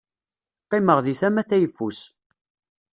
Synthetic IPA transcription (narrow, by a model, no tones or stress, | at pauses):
qiməʁðiθæmæθæjəfːus